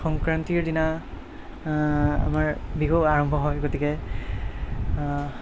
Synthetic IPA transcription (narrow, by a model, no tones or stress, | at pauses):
xɔŋkɹantiɹdina | a̰maɹbiɡoaɹɔmbʱɔɦɔjɡotikɛ